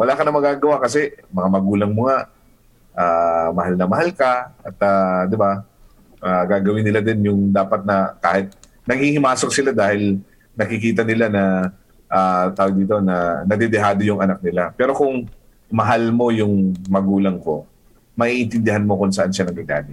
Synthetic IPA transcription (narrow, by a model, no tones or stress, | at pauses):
wɐlaːkɐnɐmɐɡaːɡɐwakɐsɛmɐŋamɐɡuːlɐŋmʊŋaʔ | ʔaːmɐhalnɐmɐhalkɐʔɐt̪ad̪ɪba | ʔaːɡaːɡɐwɪnːɪlad̪ɛnjʊŋd̪aːpɐt̪̚nɐkaːhɪt̪̚ | nɐɡhihɪmaːsok̚sɪlad̪aːhɪl | nɐkɪkiːt̪̬ɐnɪlanɐ | ʔaːt̪aːwod̪iːt̪o̞nɐnɐd̪ɛd̪ɛɦaːd̪o̞jʊŋɐnak̚nɪlapɛːɾo̞kʊŋ | mɐɦalmo̞jʊŋmɐɡuːlɐŋko̞ | mɐʔiːʔɪnt̪ɪnd̪ɪɦanmo̞kʊŋsɐʔanʃanɐŋɡaɡa̰ːmɪt̪̚